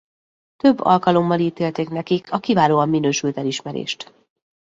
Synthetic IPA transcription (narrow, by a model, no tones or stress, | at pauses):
t̪ø̞bːɒ̰lkɒlo̞mːɒliːt̪eːlt̪eːknɛkikʰɒkivaːloːɒmːinøːʃylt̪ɛliʃmɛɾḛːʃt̪